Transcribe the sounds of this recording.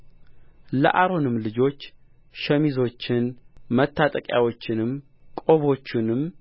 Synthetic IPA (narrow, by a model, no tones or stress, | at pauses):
lə̰ʔaɾo̞nɨmlɨd͡ʒo̞t͡ʃː | ʃəmizo̞t͡ʃːɪnmət̪ʰːat̪ʼəkʼja̰wo̞t͡ʃːɪnɨm | kʼo̞βo̞t͡ʃːɪnɨm